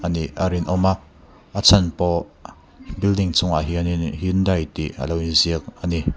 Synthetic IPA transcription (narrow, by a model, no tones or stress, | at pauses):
ʔaniʔaɾinʔɔmaʔ | ʔat͡sʰɐnpɔ | bildiŋt͡sʊŋa̰ɦiəninhindajt̪iʔə̰lowinziək̚ʔani